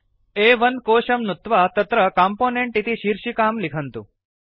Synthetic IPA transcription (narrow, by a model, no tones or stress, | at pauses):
eʋənkoːʃəmnut̪ʋat̪ɐt̪ɾəkaːmponeɳʈit̪iʃiːɾʃikaːmlɪkʰənt̪ṵ̃